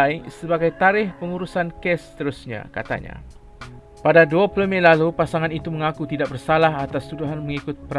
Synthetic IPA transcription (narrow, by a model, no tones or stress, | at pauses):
jsəbaɡajt̪aɾɪhpəŋuɾusankɛst̪əɾusɲã̰ka̰t̪a̰ɲã̰ | padaduapəlomĩlalupasaŋãnit̪umə̃ŋakut̪idaʔk̚bərsalaɦat̪ast̪uduɦanmə̃ŋikʊt̪̚pəɾ